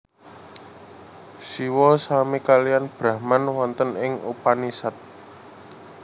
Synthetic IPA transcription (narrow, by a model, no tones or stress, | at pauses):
siwɔsamikalijanb̥ɾahmanwɔnt̪ənɪŋupanisat̪̚